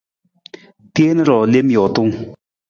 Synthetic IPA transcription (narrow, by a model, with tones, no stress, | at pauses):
t̪e˩˨nə˨ɾɔ˩˨le˥˨mjo˩˨ʔt̪o˥˨ŋ